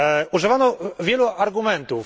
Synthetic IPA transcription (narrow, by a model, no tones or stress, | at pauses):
uʐɨvanɔvʲjɛluaɾɡumɛnt̪uf